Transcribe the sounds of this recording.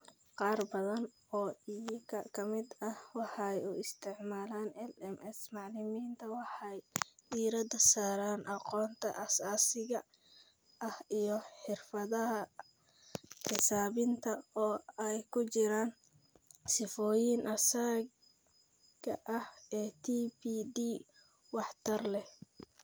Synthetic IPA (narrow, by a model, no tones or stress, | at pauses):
qɑːrbɐðɐn | ɔːijkʰɐkʰɐmɪd̪ɐhwɑħɑjʊɪst̪ʰɪʕmaːlaːnɛlɛmɛsmɑʕlɪmiːnt̪ʰɐwɑħɑjd̪iːɾɐd̪ɐsaːɾaːnʔɑqɔːnt̪ʰɐ̰ʔɐsaːsɪɣɐ | ʔɐhijɔħɪrfɐðɐɦɐ | ħɪsaːβɪnt̪ʰɐɔːɛjkʰʊt͡ʃɪɾaːn | sɪfɔːjɪnʔɐsaɡ | ɡɐ̰ʔɐhɛːt̪ʰiːpiːd̪iː | wɑħt̪ʰɐrlɛ